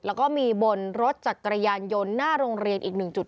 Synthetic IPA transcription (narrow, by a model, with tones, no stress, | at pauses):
lɛː˦˥wkɔː˥˩miː˧bo˧nɾo˦˥t̪̚t͡ɕa˨˩kːɾa˧jaː˧njo˧nːaː˥˩ɾoː˧ŋɾi˧ənʔiː˨˩k̚nɯ˨˩ŋt͡ɕu˨˩t̪̚